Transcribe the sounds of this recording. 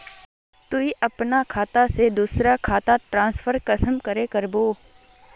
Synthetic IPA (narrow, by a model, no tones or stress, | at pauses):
t̪uiʔɐpnakʰaːt̪ased̪uːsɾakʰaːt̪aʈɾãːnsfʰəɾkɐsəmkɐɾekɐɾboː